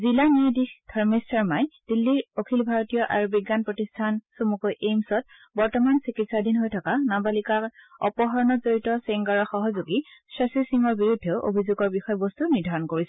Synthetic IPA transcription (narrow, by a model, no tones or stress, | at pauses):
zilanidixdʰʱɔɹmesaɹmajd̥ilːiɹokʰilbʱaɹotijɔʔaɹubiɡːanpɹotistʰansomukɔʔejmsɔt̚ | bɔɹtɔmansikitsadinɦojtʰɔkanabalikakɔ̰pɔɦɔɹɔnɔzoɹitɔseŋɡaɹɔxɔɦɔzuɡisɹesisiŋɔɹbiɹudʱːeʊʔo̰bʱizuɡɔɹbixɔjɔbɔstuniɹdʱaɹɔnkoɹisɛ